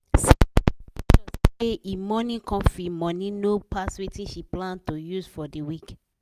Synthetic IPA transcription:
s | d͡ʒɔseimɔnĩkɔ̃fimɔ̃nĩnopaswetĩʃiplãntojusfɔdiwik

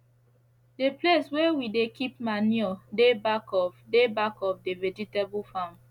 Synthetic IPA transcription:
depleswewidekʰip̚maniɔdebakɔfdebakɔpdeved͡ʒitebulfãm

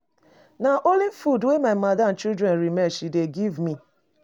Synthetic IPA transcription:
naʔolifudwemaɪmadan̩t͡ʃidɾenɾimɛʃideɡivmi

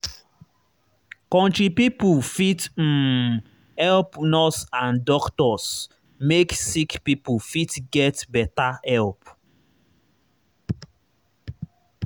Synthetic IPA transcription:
kɔ̃ntɹipipufit̩ | hɛlpnɔsãndɔktɔs | meksikpipufitɡɛtbɛtaɛlp

